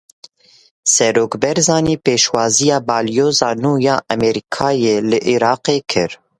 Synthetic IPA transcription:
sɛɾoːkbɛɾzɑːniːpeːʃwɑːzijɑːbɑːlijoːzɑːnuːjɑːʔɛmɛɾikʰɑːjeːlɨʔiɾɑːqeːkʰɨɾ

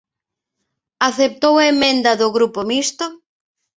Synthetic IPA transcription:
aθep̚t̪owaemẽnd̪ɐðʊɣɾupomist̪o

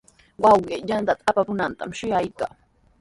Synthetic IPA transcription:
wɑwɢejant̪at̪aapapʊnant̪a̰mʃʊjajkaː

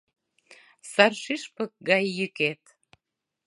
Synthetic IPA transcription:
sɑrʃiʃpə̆k̚ɡɑjːyket̪

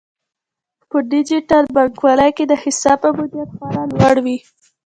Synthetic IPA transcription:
pəɖɪd͡ʒɪʈalbaɾɡwɑləjked̪əhɪsɑbpəbud̪jat̪xɑɾalwaɽwi

